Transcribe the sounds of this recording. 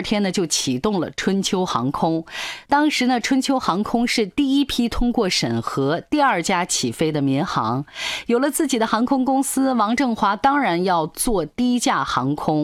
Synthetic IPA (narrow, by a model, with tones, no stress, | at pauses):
t̪ʰjɛ˥nə˨t͡ɕjo˥˩ʊt͡ɕʰi˨˩t̪ʊ˥˩ŋlə̰˩ʈ͡ʂʰwə˥nt͡ɕʰjo˥ʊxɑ̰˧˥ŋkʰʊ˥ŋt̪ɑ˥ŋʂɻ̩˧˥nə˧ʈ͡ʂʰwə˥nt͡ɕʰjo˥ʊxɑ˧˥ŋkʰʊ˥ŋʂɻ̩˥˧t̪i˥˩i˥pʰi˥t̪ʰʊ˥ŋkwɔ˥˩ʂə˨˩nxɤ˧˥t̪i˥˧ɐ˞˥˩t͡ɕja˥t͡ɕʰi˨˩fe˥ɪd̪ə˨mjɛ˧˥nxɑ̰˧˥ŋjo˨˩ʊlə˦t͡sɹ̩˥˩t͡ɕi˨˩d̪ə˦xɑ˧˥ŋkʰʊ˥ŋkʊ˥ŋsɹ̩˥wɑ˧˥ŋʈ͡ʂɤ˥˩ŋxwa˧˥t̪ɑ˥ŋɻa˧˥njɑ˥˧ʊt͡swɔ˥˩t̪i˥˧i˥t͡ɕja˥˩xɑ˧˥ŋkʰʊ˥ŋ